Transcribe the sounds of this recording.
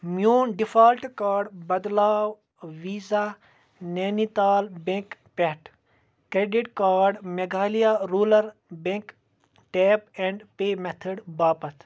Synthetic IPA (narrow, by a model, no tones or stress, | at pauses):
mjuːnɖifaːlʈkaːɾɖbɐd̪laːw | ʋiːzaː | neːnit̪aːlbẽŋkpeʈ | kɾeːɖiʈkaːɾɖmeɡaːlijaːɾuːlɐɾbẽk | ʈeːpẽɳɖpeːmet̪ʰəɖbaːpɐt̪ʰ